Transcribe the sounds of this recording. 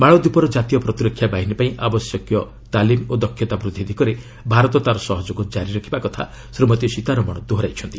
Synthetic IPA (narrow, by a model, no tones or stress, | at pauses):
maɭ̃ɔd̪upɔɾɔd͡ʒat̪ijɔpɾɔt̪iɾɔkʰːjabaɦinipaĩʔabɔsjɔkjɔ | t̪alimod̪ɔkʰːjɔt̪abɾud̪ʱːid̪ʱikɔɾe | bʱaɾɔt̪ɔt̪aɾɔsɔɦɔd͡ʒoɡɔd͡ʒaɾiɾakʰibakɔt̪ʰa̰ | sɾumɔt̪iɔsit̪aɾɔmɔɽ̃ɔd̪oɦɾajt͡ʃʰɔnt̪i